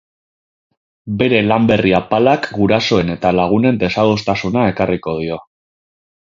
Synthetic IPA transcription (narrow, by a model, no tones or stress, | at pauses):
be̞ɾe̞lambe̞riapalakɡuɾaso̞e̞ne̞t̪alaɣ̞une̞nd̪e̞saðost̪asunae̞kariko̞ð̞io̞